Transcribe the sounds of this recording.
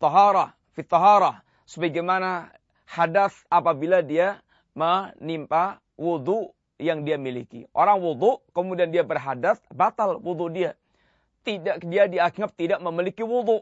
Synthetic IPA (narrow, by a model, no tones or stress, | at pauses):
t̪ˤːɑɦɑɾɑ | fit̪ˤːɑɦɑɾɑ | səbaɡamana | hadaθapabiladia | mənimpa | wud̪uʔ | jaŋdiamilḭkḭʔo̰ɾaŋwud̪uʔkəmudiandiabərɦadaθbat̪alwud̪uʔdia | t̪idaʔdiadiakŋap̚t̪idaʔməmilikiwud̪uʔ